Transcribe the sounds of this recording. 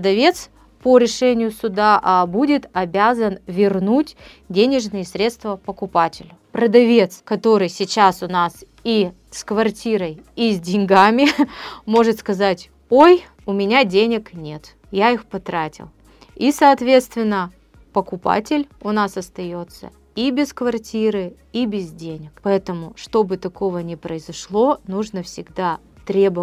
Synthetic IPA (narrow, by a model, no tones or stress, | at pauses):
əd̪ɐvʲe̞t̪s | poɾʲɪʂɛnʲɪjʊsʊd̪aʔbudʲɪt̪ɐbʲazənvʲɪrnutʲ | dʲenʲɪʐnɨjəsɾʲe̞t̪st̪vəpəkʊpatʲɪlʲʊpɾəd̪ɐvʲe̞t̪skɐt̪o̞ɾɨjsʲɪt͡ɕasʊnas | i | skvɐrtʲiɾəjizʲdʲɪnʲɡamʲɪmo̞ʐɨt̪skɐzatʲ | oj | ʊmʲɪnʲadʲenʲɪknʲe̞t̪ | jaixpɐt̪ɾatʲɪ̰lˠ | isɐːt̪vʲet̪st̪vʲɪnːə | pəkʊpa̰tʲɪlʲʊnasɐst̪ɐjo̞t̪sə̰ | ibʲɪskvɐrtʲiɾɨ | ibʲɪzdʲenʲɪkpɐɛt̪əmʊʂt̪o̞bɨt̪ɐko̞vənʲɪpɾəɪzɐʂlˠo̞nuʐnəfsʲɪɡd̪a | t̪ɾʲebə